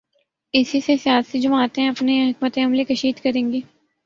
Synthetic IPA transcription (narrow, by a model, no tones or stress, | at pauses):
ɪsisesjaːd̪sid͡ʒɐmaːt̪ẽɐpneɦɪkmət̪ẽɦɐmlekɐʃiːd̪kɐɾẽːŋɡeː